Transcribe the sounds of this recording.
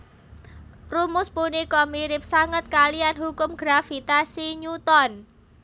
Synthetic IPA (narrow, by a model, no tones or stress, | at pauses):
rumʊspunikɔmiɾɪp̚saŋət̪̚kalianɦukʊmɡ̥ɾafit̪asiɲut̪ɔn